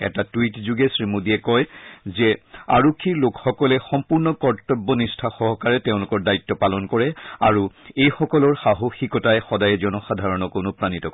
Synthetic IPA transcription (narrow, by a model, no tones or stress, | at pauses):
ɛ̰tatwitzuɡɛsɹimudiɛkɔjzɛa̰ɹokʰːiɹlokxɔkɔlɛxɔmpuɹnɔkɔɹtɔbːɔnistʰaxɔɦɔkaɹɛteʊ̃lʊkɔɹdaitːɔpalɔnkɔɹɛa̰ɹuejxɔkɔlɔɹxaɦoxikɔtajxɔdajɛziɔnɔxadʱaɹɔnɔkonopɹanitɔk